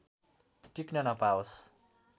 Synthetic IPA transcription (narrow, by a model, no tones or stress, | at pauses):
ʈiknʌnʌpaos